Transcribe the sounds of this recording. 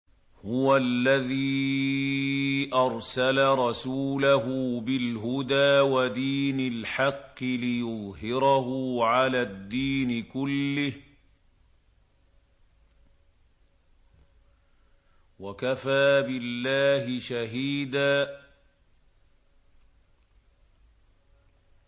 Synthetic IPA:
hʊwalːaðiː | ʔɑɾˤsalaɾˤɑsuːlaɦʊbɪlɦʊd̪aːwad̪iːnalħɑqːɨlɪjʊðˤhɪɾɑɦʊʕalaːd̪ːiːnɪkʊlːɪh | wakafaːbɪlːaːhɪʃaɦiːd̪aː

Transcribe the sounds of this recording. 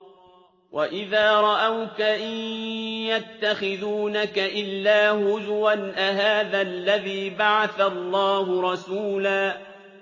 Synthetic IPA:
wʔaʔɪðaːɾˤɑʔawkaʔ | jat̪ːaxɪðuːnakaʔɪlːaːhʊðwanʔaɦaːðalːaðiːbaʕaθalˤːɑːhʊɾˤɑsuːlaː

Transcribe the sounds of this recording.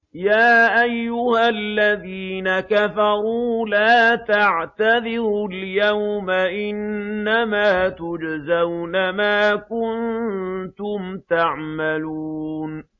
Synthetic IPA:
jaːʔajːʊhalːaðiːnakafɑɾˤuːlaːt̪aʕt̪aðɪɾʊljawmaʔɪnːamaːt̪ʊd͡ʒzawnamaːkʊnt̪ʊmt̪aʕmaluːn

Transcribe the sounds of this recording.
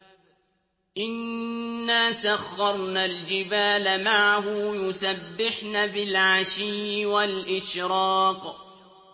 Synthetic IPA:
ʔɪnː | aːsaxːɑɾˤnald͡ʒɪbaːlamaʕaɦʊjʊsabːɪħnaːbɪlʕaʃiːwalʔɪʃɾɑːq

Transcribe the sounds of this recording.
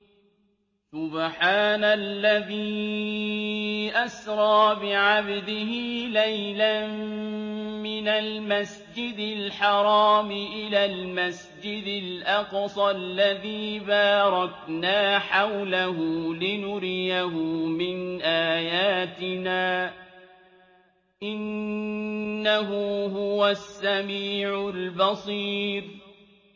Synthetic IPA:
sʊbħaːnalːaðiː | ʔasɾˤɑːbɪʕabd̪ɪhɪlajla | mɪnalmas | d͡ʒɪd̪ɪlħɑɾˤɑːmɪʔɪlaːlmas | d͡ʒɪd̪ɪlʔɑqsˤɑlːaðiːbaːɾˤɑknaːħawlaɦʊlɪnʊɾɪjaɦʊmɪnʔaːjaːt̪ɪnaː | ʔɪnː | aɦʊhʊwasːamiːʕʊlbɑsˤiːɾ

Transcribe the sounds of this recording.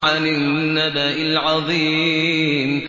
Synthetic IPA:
anɪnːadaʔɪlʕɑðˤiː | m

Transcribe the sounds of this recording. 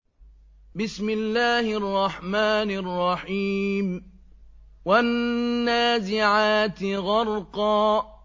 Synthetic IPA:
bɪsmɪlːaːhɪʔɑrˤːɑħmaːnɑrˤːɑħiːm | wanːaːzɪʕaːt̪ɣɑɾˤqɑː

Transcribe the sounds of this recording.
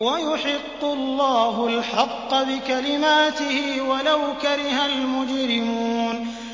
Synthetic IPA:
wajʊħɪqːʊlːɑːhʊlħɑqːɑbɪkalɪmaːt̪ɪhɪwalawkaɾɪhalmʊd͡ʒɾɪmuːn

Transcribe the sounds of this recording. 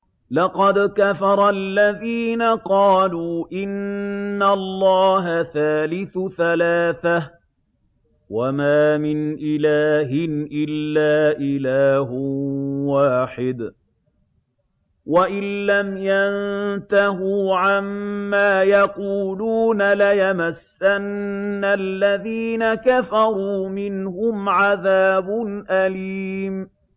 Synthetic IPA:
lɑqɑd̪kafɑɾˤɑlːaðiːnaqɑːluːʔɪnːalˤːɑːɦaθaːlɪθθalaːθa | wamaːmɪnʔɪlaːɦɪnʔɪlːaːʔɪlaːɦ | waːħɪd̪ | waʔɪnːamjant̪ahuːʕamːaːjaquːluːnalajamasːanːalːaðiːnakafɑɾˤuːmɪnhʊmʕaðaːbʊnʔaliːm

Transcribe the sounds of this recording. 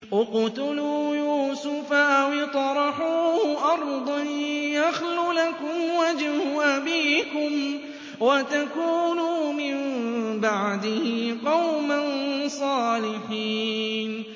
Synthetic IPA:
wɑqʊt̪ʊluːjuːsʊfaʔwɪt̪ˤɑɾˤɑħuːʊʔɑɾˤd̪ˤɑnjaxlulakʊmwad͡ʒhʊʔabiːkʊm | wat̪akuːnuːmɪmbaʕd̪ɪhɪqɑwmansˤɑːlɪħiːn

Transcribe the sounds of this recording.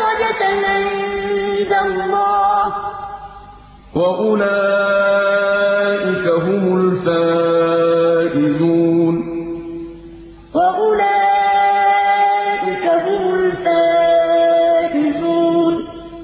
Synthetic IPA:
ɾɑd͡ʒanʕɪnd̪alːɑːh | waʔʊlaː | ʔɪkaɦʊmʊlfaː | ʔɪduːn | waʔʊlaː | ʔɪkaɦʊmʊlfaː | ʔɪduːn

